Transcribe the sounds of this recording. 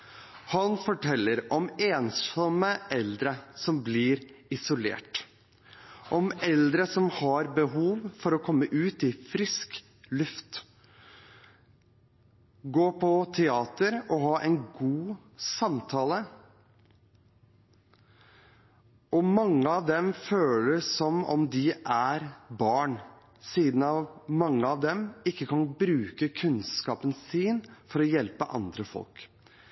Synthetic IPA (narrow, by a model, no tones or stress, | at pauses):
hɑnfɔʈʰɛlːəɾɔmeːnsɔməʔɛld̪ɾəsɔmblɪːɾɪsʊlḛːʈ | ʔɔmɛld̪ɾəsɔmhɑɾbəɦuːʋfɔɾɔkʰɔmːəʔʉːt̪ɪfɾɪsk | lʉft̪ | ɡoːpʰɔt̪ʰɛɑːt̪əɾɔɦɑːʔɛɪnɡuː | sɑmt̪ʰɑːlə | ʔɔmɑŋːəɑʋd̪ɛmføːləsɔmɔ̰md̪ɪʔæɾbɑːɳ | siːd̪n̩ɑʋmɑŋːəɑʋd̪ɛmɪkːəkʰɑnbɾʉːkəkʰʉnskɑːpənsiːnfɔɾɔjɛlpəʔɑ̰nd̪ɾəfɔ̰lk